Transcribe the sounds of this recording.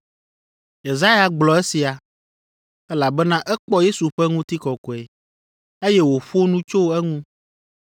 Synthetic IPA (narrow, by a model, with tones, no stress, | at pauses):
je˨za˦ja˨ɡ͡blɔ˨e˦si˨a˨ | ɛ˦la˨bɛ˦nã˦ʔɛ˦k͡pɔ˦je˦su˨ɸɛ˦ŋũ˦t̪i˦kɔ˨kɔ˨e˨ | e˦jɛ˦wo˨ɸo˦nũ˦t͡ʃo˦ɛ˦ŋũ˦